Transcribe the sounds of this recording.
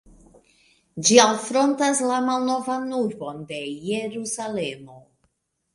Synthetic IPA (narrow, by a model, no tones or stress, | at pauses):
d͡ʒialfɾo̞ntaslamalno̞vanuɾbo̞nde̞jeɾusale̞mo̞